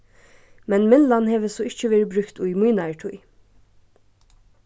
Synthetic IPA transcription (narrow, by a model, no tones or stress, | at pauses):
mɛnmɪnlɑnheːʋəsɔɪc͡çəʋeːɹbɾʉkt̪ujmuːnɑɪʈʰuj